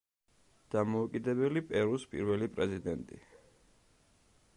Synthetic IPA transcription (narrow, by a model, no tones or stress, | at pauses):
d̪̥amɔukʼid̪ɛbɛlipʼɛɾuspʼḭɾvɛlipʼɾɛzid̪ɛnt̪ʼḭ